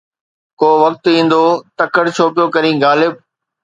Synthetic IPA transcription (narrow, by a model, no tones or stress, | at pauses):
koːʋɐk̚t̪ĩːn̆d̪oːt̪ɐkəɽt͡ɕʰoːpijokɐɾĩːɡaːlɪb̚